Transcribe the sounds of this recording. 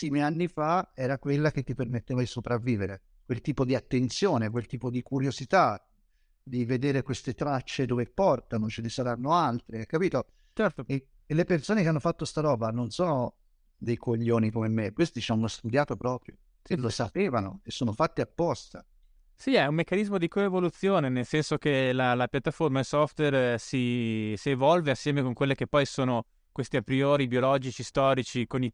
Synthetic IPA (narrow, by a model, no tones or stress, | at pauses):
imianːifaɛːɾakwelːak̟et̪ːipermet̪ːeːvad̪isopɾavːiːveɾe | kwelt̪iːpod̪iat̪ːent̪sjoːnekwelt̪iːpod̪ikuɾjozit̪a | d̪ived̪eːɾekwest̪et̪ɾat͡ʃːed̪oːvepɔrt̪anot͡ʃelesaɾanːoalt̪ɾeɛkːapiːt̪o | t͡ʃɛɾt̪o | elːepersoːnekeanːofat̪ːost̪aɾɔːbanonsoːno | d̪ejkʰoʎːoːnikomemekwest̪it͡ʃanːoast̪ud̪jaːt̪opɾɔːpɾjo | elːosapeːvano̰esːoːnofat̪ːeapːɔst̪a | siɛumːekːanizmod̪ikoevolut̪sːjoːnenelsɛnsok̟elalapjat̪ːaformailsɔft̪wersisievɔlveasːjɛːmekoŋkwelːekepːɔjsoːno | kwest̪iapɾiɔːɾibjiolɔd͡ʒit͡ʃist̪ɔːɾit͡ʃikoni